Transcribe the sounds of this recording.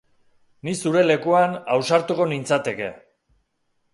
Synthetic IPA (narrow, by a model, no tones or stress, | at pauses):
nisuɾe̞le̞kuanawsaɾt̪uko̞nint͡sat̪e̞ke̞̰